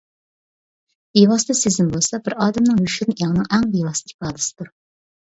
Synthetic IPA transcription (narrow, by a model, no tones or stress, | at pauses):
bewɑsɨd̪ɛsezɪnbolˠsɑbɪɾɑːd̪ɛmnɨŋjyʃyɾnjɑŋnɨŋʔæŋbewɑsɨ̥ɪpɑːd̪ɪsɪ̥d̪uɾ